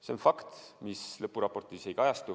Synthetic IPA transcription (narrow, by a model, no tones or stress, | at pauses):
seonfɑkt̪mislɤpːˑuɾɑpo̞rt̪ˑise̞jkɑjɑst̪u